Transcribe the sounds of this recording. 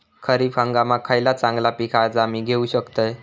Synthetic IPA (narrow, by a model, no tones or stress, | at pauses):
kʰəɾiːfə̃ŋɡamakʰajlat͡sãŋɡlapikʰaɾd͡zamiɡʱeuɕəkt̪əj